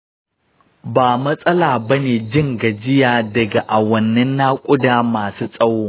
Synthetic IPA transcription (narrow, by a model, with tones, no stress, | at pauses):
baː˨mɐ˦sʼɐ˦laː˨bɐ˦neː˨d͡ʒɪ˦˨ŋɡa˨d͡ʒɪ˦jaː˨dɐ˨ɡa˨ʔa˨wɐ˨nːɛ˦nːa˦kʷʼʊ˦daː˦maː˨suː˦sʼɐ˦woː˦